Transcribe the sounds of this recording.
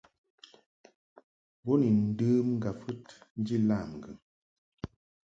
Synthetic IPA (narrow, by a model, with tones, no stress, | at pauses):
bɔ˦ni˨n̩˦dɨ˦mŋ̩˦ɡa˨fɨ˦tn̩˦d͡ʒi˦la˦˨m˨ŋ̩˨ɡɨ̰˨ŋ